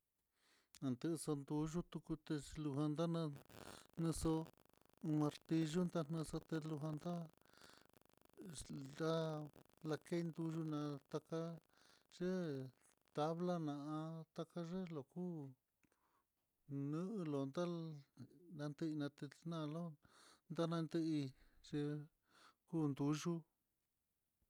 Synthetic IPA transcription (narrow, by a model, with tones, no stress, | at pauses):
nã˨nd̪ɨ˦˧so˧nd̪u˧ʒu˦t̪u˧ku˧t̪e˧lu˧ɦã˧nd̪a˦nã˧n̥ɨ̃˧so˧ | u˧mã˧ɾt̪i˧ʒu˦nd̪a˦˧n̥ɨ̃˧so˧t̪e˧lu˧ɦã˧nd̪a˦ | d̪a˦ | la˧ke˦˧nd̪u˧ʒu˦nã˧t̪a˧ka˦ | ʐ̥e˦ | t̪a˧βla˦nã˨ʔã˧t̪a˧ka˦ʐe˦lo˨kuː˦ | nɨ̃˦ʔɨ˧lo˨nd̪a˦ | nã˧nd̪ɨ˦i˧nã˧t̪e˧nã˦˧lo˦nd̪a˦nã˧nd̪ɨ˦i˧ʐ̥e˧ | kuː˦˨nd̪u˧ʒu˦